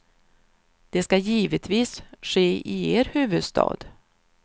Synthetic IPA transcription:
d̪̥ɛskajiːvət̪ʰviːsɧeːʔɪeːɾhʉ̟ːvɵd̪st̪ʰɑ̰ːd̪

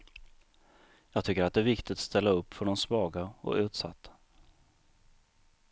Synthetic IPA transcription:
jɑːɡt̪ʰʏkːəɾat̪̚d̪ɛæɾvɪkt̪ɪt̪st̪ɛlːaɵpːfœɖɔmsvɑːɡaɔ̰ʉ̟ːt̪sa̰t̪ʰːḁ

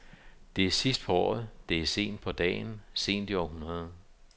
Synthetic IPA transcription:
d̥e̝æsisd̥̚pʰɒ̽ɒ̰ːð̩ˠd̥e̝se̝̰ːnd̥̚pʰɒ̽d̥ɛ̰ːnse̝̰ːnd̥iɒhunɐð̞̩ˠ

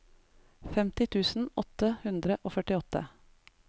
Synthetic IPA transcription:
fɛmt̪ɪt̪ʰʉːsn̩ɔt̪əhʉnd̪ɾəʔoːfœʈɪɔt̪ə̰

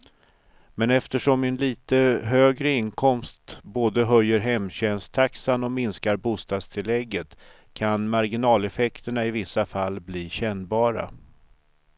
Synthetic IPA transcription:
mɛnɛft̪əʂɔmɛnliːt̪əɦøːɡɾəɪnkʰɔmst̪boːd̪əɦœjːəɾɦɛmɕɛnst̪ʰaksanɔmɪnskaɾbuːst̪ɑːd̪st̪ʰɪlɛɡːət̪ | kʰanmaɾɡɪnɑːlɛfɛkt̪əɳaɪvɪsːafalːbliːɕɛnbɑːɾa̰

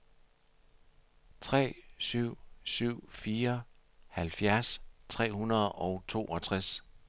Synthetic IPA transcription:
t͡sʰʁɛ̰ːsyʊ̰syʊ̰fiːɐ | hælfjæɐst͡sʰʁɛ̰ːhunɐð̞ˠɒ̽ʊt͡sʰo̝̰ːʔɒt͡sʰʁas

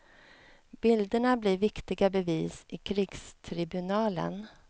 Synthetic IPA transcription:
b̥ɪld̪əɳabliɾvɪkt̪ɪɡabɛviːsʔɪkʰɾɪɡst̪ʰɾɪbɵnɑːlə̰n

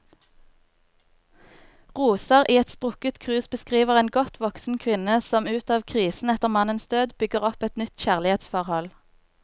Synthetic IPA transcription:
ʁuːsəʁʔiːɛt̪spʁʊkət̪kʰʁʉːsbəskʁiːʋəʁeːnɡɔt̪ʰʋɔksn̩kʰʋɪnəsɔmʉːt̪ɑːʋkʰʁiːsn̩ɛt̪əʁmɑnənsd̪øːd̪bʏɡəʁɔpɛt̪nʏt̪çæːʁlɪheːt̪sfɔʁhɔl

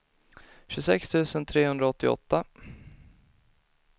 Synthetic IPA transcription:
ɕɵsɛkst̪ʰʉ̟ːsənt̪ʰɾeːɦɵnd̪ɾaɔt̪ːɪɔ̰t̪ːa

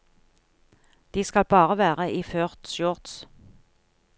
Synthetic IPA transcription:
d̪̥iːskɑlbɑːʁəʋæːʁəʔiːføːʁt̪ʃjɔːʁt̪s

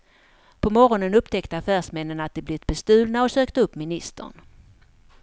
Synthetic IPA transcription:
pʰɔmɔɾɔnənɵpt̪ʰɛkt̪əafæːʂmɛnːənat̪̚d̪ɛblɪt̪̚bɛst̪ʉ̟ːlnaɔsøːkt̪əɵpːmɪnɪst̪ə̰ɳ

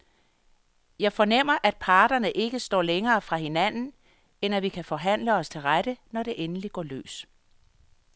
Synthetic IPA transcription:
jɑ̈ɪfɒ̽nem̰ɐʔæd̥̚pʰɑ̈ːd̥ɐnəʔe̝ɡ̥əsd̥ɒ̰ːleŋɐːfʁɑ̈he̝næn̰n̩ | enæʋikʰæfɒ̽ɦæn̰ləɒ̽st͡sʰe̝lʁaɾ̥ənɒɾ̥e̝ʔenəliɡ̥ɒ̰ːlø̰ːs

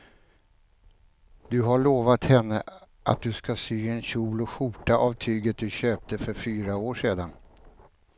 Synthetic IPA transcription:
d̪ɵɦaɭoːvat̪hɛnːə | ʔa̰t̪̚d̪ɵskasyːɛnɕuːlɔɧʊʈːaʔavt̪ʰyːɡət̪̚d̪ɵɕøːp̚t̪əfœɾfyːɾaoːʂeːd̪an

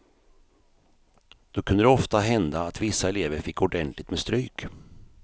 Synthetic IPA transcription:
d̪̥ɔkʰɵnd̪əd̪ɛɔft̪aɦɛnd̪aːt̪vɪsːaɛleːvəɾfɪkːɔɖɛnt̪lɪɡ̚t̪mɛst̪ɾyːk

